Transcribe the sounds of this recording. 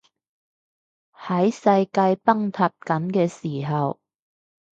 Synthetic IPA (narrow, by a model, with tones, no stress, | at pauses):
hɐ˨˥jsɐ˧jkaː˧jpɐ˥ŋt̪ʰɐ˧p̚kɐ˨˥nkɛː˧siː˨˩ɦɐ˨w